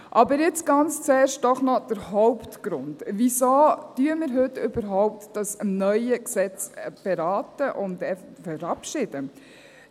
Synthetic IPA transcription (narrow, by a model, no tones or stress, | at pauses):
ʔɑbəɾjɪt͡sɡ̥ɑnt͡st͡sɛːrʃt̚d̥ɔχnɔd̥əɾɦɔʊptɡ̥ɾʊndʋisoːtyəmɪɾɦɵtʏbəɾɦɔʊp̚td̥ɑsnœʏəksɛt͡sb̥eɾaːtəʔʊndɛffəɾɑpʃɪd̥ə